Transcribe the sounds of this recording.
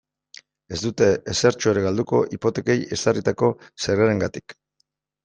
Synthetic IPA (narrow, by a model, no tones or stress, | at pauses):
e̞zd̪ut̪e̞ːseɾt͡ʃoeɾeɣald̪uko̞ʔipo̞t̪e̞ke̞je̞sarit̪ako̞seɾɣeɾe̞ŋɡat̪i̥k